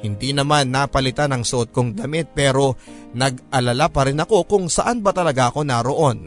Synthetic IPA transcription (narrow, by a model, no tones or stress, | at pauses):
hɪnd̪inɐmanːapɐlɪt̪anɐŋsoʔot̪̚ko̞ŋd̪ɐmɪt̪̚pɛːɾo̞nɐɡʔɐlɐlapɐɾɪnɐko̞kʊŋsɐʔanbɐt̪ɐlɐɡaʔɐko̞naɾo̞ʔo̞n